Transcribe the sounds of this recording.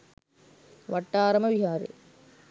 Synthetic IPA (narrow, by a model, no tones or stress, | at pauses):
ʋɐʈːaːɾɐmɐʋɪɦaːɾɯ̰